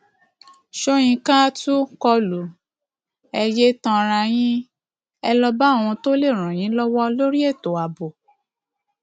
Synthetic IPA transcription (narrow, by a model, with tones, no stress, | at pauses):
ʃo˦j̃ĩ˧kã˦tu˦kɔ˧lu˨ | ɛ˧je˦tɔ̃˧ɾa˧j̃ĩ˦ | ɛ˧lɔ˧ba˦o˨wũ˧to˦le˦˨ɾ̃ɔ̃˨j̃ĩ˨˦lɔ˦wɔ˦lo˦ɾi˦e˦˨to˨a˨bo˨